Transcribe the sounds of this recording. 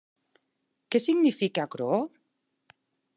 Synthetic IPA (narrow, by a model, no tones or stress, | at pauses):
kesiɡnifikakɾo